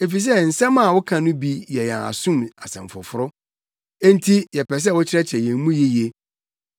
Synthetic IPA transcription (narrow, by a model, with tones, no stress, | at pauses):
e˨fi˨s̬ɛ˦˨n̩˨sɛ̃˦mã˨wʊ˦kʰã˨nʊ̃˦bi˦jɛ˨jã˨a̰˨sũ˦ma˨sɛ̰̃˨ɱ˨fʊ̰˨fʊ˦ɾʊ˦ | ẽ˦n˦tʰi˦jɛ˨pɛ˨s̬ɛ˦˨wʊ˦t͡ɕʰɪ˦ɾɛ˦t͡ɕʰɛ˨jɛ̃˨˦mũ˦ji˦je˨